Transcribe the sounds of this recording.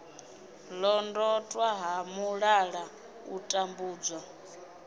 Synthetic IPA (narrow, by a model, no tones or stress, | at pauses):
lɔndɔtʼwaɦamuɺaɺa | utʼambuːd͡zwa